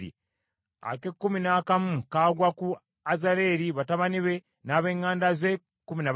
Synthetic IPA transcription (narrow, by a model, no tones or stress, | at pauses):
ḭ | a̰kekːuminaːkamukaːɡwaku | azaɾe̞ːɾiβataβaniβe̞ | naːβe̞ːŋaːndaze | kːumina